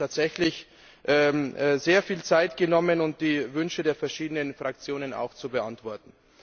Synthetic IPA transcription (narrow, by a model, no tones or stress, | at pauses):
aːtz̥ɛçlɪç | ʔɛːmːzeːɐfiːlt͡saɪtɡ̥ənɔmənʊnt̚d̥iːvʏnʃədeːɐfɛɐʃiːdənənfʁ̥ak̚t͡sjoːnəna̰ʊxt͡subəʔantv̥ɔɐtn̩